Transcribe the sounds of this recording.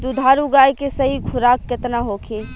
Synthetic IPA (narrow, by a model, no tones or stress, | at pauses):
d̪ud̪ʱaːɾuɡaːjkesɐɦikʰʊɾaːkːɐt̪naɦokʰe